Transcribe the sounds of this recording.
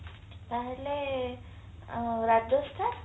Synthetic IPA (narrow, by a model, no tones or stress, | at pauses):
pɛɦle | ɾad̪d̪ost̪ʰa